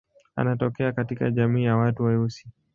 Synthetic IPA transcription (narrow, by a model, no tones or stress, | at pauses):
a̰natɔkɛakatika̰ʄamiːjawatuwaiusi̥